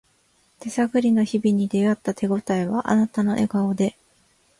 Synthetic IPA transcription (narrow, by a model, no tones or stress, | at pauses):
t̪e̞saɡɯ̟ɾʲino̞çibʲiɲ̟id̪e̞at̪ːat̪ʰe̞ɡo̞t̪aiβaʔa̰nat̪ano̞ʔe̞ɡaod̪e̞